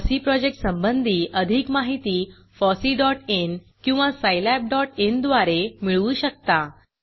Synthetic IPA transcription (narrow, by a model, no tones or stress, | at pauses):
siːpɾɔd͡ʑek̚ʈsəmbənd̪ʱiːʔəd̪ʱikmaɦit̪iː | fɔsiːɖɔʈen | kĩw̃ʋasajlɛp̚ɖɔʈend̪ʋaɾemiɭuːɕək̚t̪a